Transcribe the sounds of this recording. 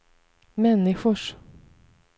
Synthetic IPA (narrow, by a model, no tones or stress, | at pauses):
mɛnːɪɧʊʂ